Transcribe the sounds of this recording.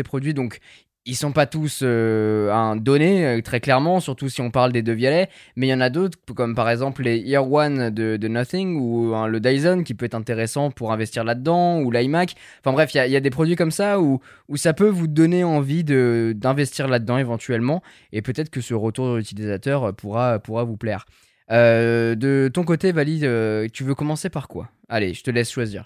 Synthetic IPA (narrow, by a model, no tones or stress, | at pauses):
sepχɔd̪ɥid̪ɔ̃k | ilsɔ̃pat̪usøɛ̃d̪ɔneøt̪χɛklɛʁmɑ̃syʁt̪usiɔ̃paʁld̪ed̪øvjalɛmɛjɑ̃nad̪ot̪χkɔmpaʁɛɡzɑ̃plleiʁwand̪əd̪ənaθiŋuɛ̃ləd̪ajzɔnkʲipøɛt̪χɛ̃t̪eʁesɑ̃puʁɛ̃vɛst̪iʁlad̪əd̪ɑ̃ulajmak | fɛ̃bʁɛfijaijad̪epχɔd̪ɥikɔmsau | usapøvud̪ɔneɑ̃vid̪əd̪ɛ̃vɛst̪iʁlad̪əd̪ɑ̃evɑ̃t̪ɥɛlmɑ̃ | epøt̪ɛt̪χə̥kəsəʁət̪uʁd̪yt̪ilizat̪œʁøpʰuʁaøpuʁavuplɛʁ | ød̪ət̪ɔ̃k̬ot̪evaliøt̪yvøkɔmɑ̃sepaʁkwa̰ | alḛʒ̥ət̪əlɛsʃwazḭːʁ